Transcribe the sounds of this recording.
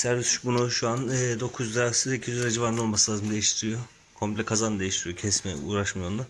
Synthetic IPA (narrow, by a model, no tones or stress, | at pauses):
sæɾvisyʃbunuʃuanɛːd̪o̞kʰuzd̪ɾasɯzicʰizɾad͡ʒivaɾnolˠmaslˠaːzɯmd̪e̞jiʃt̪ʰiɾijo | kʰo̞mpʲlʲɛkʰazand̪e̞jiʃt̪ʰiɾijo̞cʰɛsmɛṵːɾaʃmajond̪a